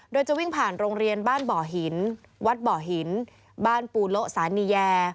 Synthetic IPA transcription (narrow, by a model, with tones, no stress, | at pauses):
doː˧jt͡ɕa˨˩wi˥˩ŋpʰaː˨˩nɾoː˧ŋɾi˧ənbaː˥˩nbɔː˨˩ɦi˨˩˦n | wa˦˥t̪̚bɔː˨˩ɦi˩˦n | baː˥˩npuː˧lo˦˥ʔsaː˩˦niː˧jɛː˧